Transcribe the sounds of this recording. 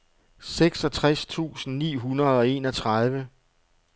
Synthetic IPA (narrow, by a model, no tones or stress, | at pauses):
seɡ̥sɒ̽t͡sʰʁast͡sʰṵːsn̩nḭːɦunɐð̞ˠɒ̽e̝ːnɒt͡sʰʁɑð̞ˠʋə